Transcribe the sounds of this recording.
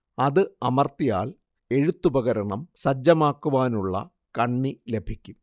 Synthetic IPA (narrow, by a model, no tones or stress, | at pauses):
ɐðɨɐmɐrt̪ːija̰ːl | e̞ɻut̪ːubɐɣɐɾɐɳɐmsɐd͡ʑːɐmaːkːuʋaːnuɭːɐ̰ | kɐɳːile̞bʱikʲːum